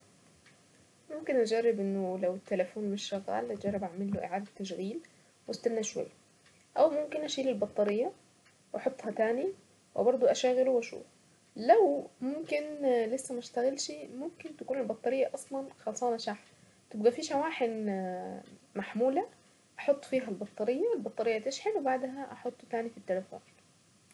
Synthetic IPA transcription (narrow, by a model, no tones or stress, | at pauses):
mʊmkɪnʔad͡ʒarːɪbʔɪnːʊlawɪt̪ːalafuːnmɪʃːɪɣa̰ːld͡ʒɑrˤːɪbʔaʕmɪlːʊʔɪ̰ʕaːd̪at̪ːaʃ̬ɣiːl | wʔast̪anːaʃwa̰jːa | ʔawmʊmkɪnʔaʃiːlɪlbɑt̪ˤːɑɾɪjːa | wʔɑħʊt̪ˤːhɑt̪aːni | wɪ̰bɑɾˤd̪ˤuʔaʃaːɣɪluwʔaʃṵːf | lawmʊmkɪnlɪsːæmʃt̪aɣɪlʃimʊmkɪnt̪akuːnɪlbɑt̪ˤːɑɾɪjːaʔɑsˤlɑnxɑːlsˤɑːnʔaʃaħ | t̪ɪbd̪æfiːʃawaːħɪn | maħmuːla | ʔɑħot̪ˤːfiːɦælbɑt̪ˤːɑɾɪjːaɪlbɑt̪ˤːɑɾɪjːat̪ɪʃħɪnwbaʕd̪ɦæʔɑħot̪ˤːt̪aːnifit̪ːelɪfṵːn